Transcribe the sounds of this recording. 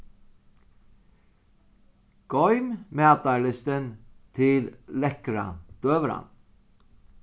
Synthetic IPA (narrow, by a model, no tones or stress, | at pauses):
ɡ̥ɔʏmmæːt̪ɑɭɪst̪ənt̪ʰɪllɛkɾɑ̰d̪̥øːʋəɾɑ̰n